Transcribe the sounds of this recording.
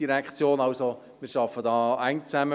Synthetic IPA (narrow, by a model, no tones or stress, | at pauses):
iɾɛkχt͡sjoːnɑʊso | miːɾʃɑfədɑːæɪŋt͡sæmə